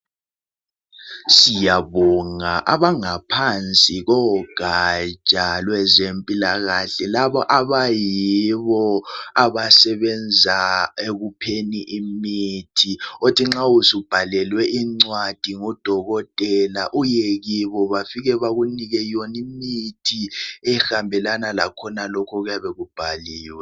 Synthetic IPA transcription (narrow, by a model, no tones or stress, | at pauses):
sijaβɔŋaʔa̰βaŋapʰant͡sʼiɣɔɡ̥ʱat͡ʃʼalwɛzempʼilaɣaɬɛlaβɔʔaβajiβɔaβasɛβɛnd͡zʱaeɣupʰeniʔimitʰiotʰiŋ͡ǁausib̥ʱalɛlwɛʔiŋ͡ǀwad̥ʱiŋɔd̥ʱɔɣɔtʼɛlaʔujɛɣiβɔβafiɣɛβaɣuniɣɛjonimitʰiɛxambʱɛlanalakʰɔnalɔkʰɔɣujaβɛɣub̥ʱaliːwɛ